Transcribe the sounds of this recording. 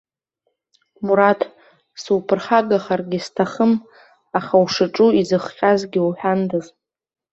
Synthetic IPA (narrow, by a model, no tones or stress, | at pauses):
muɾatʰ | sɨwpʰɨrχaɡaχarɡʲɪstʰaχəm | aχawʂɨʈ͡ʂʼuizɨχqʲʼazɡʲɪwuħᶣandɨz